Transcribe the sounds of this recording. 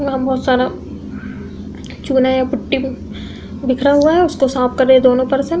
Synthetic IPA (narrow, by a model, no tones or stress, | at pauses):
ɦɐ̃mbɔːt̪saːɾa | t͡ʃuːnajapʊʈːi | bɪkʰɾaɦuaɦɛʊskosaːp̚kɐɾẽed̪oːnõpɐɾse